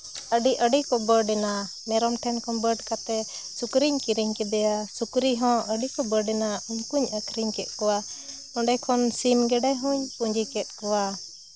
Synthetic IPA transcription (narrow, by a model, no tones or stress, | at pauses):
əɖiʔəɖikɔbəɖɛna | mɛɾɔmʈʰɛnkʰɔnbəɖkat̪ɛ | sukɾiɲkiɾiɲkɛd̪ɛjasukɾiɦɔ̃ʔəɖikɔbəɖɛnauɲkuɲəkʰɾiɲkɛt̪̚kɔwa | ɔɳɖɛkʰɔnsimɡɛɖaɦuɲpuɲd͡ʒikɛt̪̚ˀkɔwa